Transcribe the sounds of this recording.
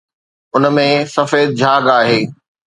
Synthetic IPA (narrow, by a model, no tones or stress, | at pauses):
ʊnmẽsɐfeːd̪̚d͡ʑʱaːɡaːɦeː